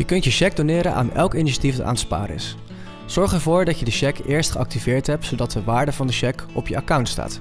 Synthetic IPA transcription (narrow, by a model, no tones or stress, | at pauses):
jəkɵntjəʃɛɡ̚donɪːɾənʔa̰ːnɛlˠkiniʃatifəta̰ːnspa̰ːɾɪ̰s | z̥ɔɹχɛɹvʊːɹdɑcjədəʃɛkɪːɹstχəɑk̚tivɪːɹtɦɛp̚tsowdɑt̚dəʋaːɹdəvɑndəʃɛkɔpjəakɔwntsta̰ːt